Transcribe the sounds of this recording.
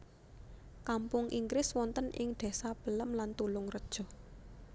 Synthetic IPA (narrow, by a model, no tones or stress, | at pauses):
kampʊŋʔiŋɡɾɪswɔnt̪ənʔɪŋd̪̥ɛ̤sapə̤ləmlant̪ulʊŋrəd̥ʒ̥ɔ̤